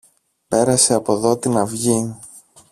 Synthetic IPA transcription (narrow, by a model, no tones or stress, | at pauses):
pe̞ɾɐse̞ɐpo̞ðo̞t̪inɐvʝi